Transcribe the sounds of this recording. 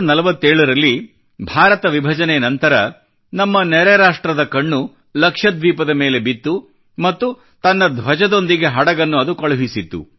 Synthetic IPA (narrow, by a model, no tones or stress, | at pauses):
nɐlɐʋɐt̪ːeːɭɐɾɐlːi | bʱaːɾɐt̪ɐʋibʱɐd͡ʒɐnɛjɐnɐnt̪ɐɾɐ | nɐmːɐnɛɾɛɾaːʂʈɾɐd̪ɐkɐɳːu | lɐkʂɐd̪ʋiːpɐd̪ɐme̞ːle̞bit̪ːu | mɐt̪ːu | t̪ɐnːɐd̪ʋɐd͡ʒɐd̪o̞nd̪iɡe̞ɦɐɽɐɡɐnːuɐd̪ukɐɭɐɦisit̪ːṵ